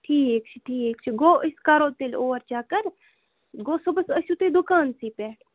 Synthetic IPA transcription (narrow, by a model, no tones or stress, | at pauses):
ʈʰiːekt͡ʃʰi̥ʈʰiːeːkt͡ʃʰiɡoːʔɪskaːɾoːt̪eloːʋəɾt͡ʃaːkəɾ | ɡoːsobɐsəsʲut̪ed̪ʊkaːnsiːpɛːʈ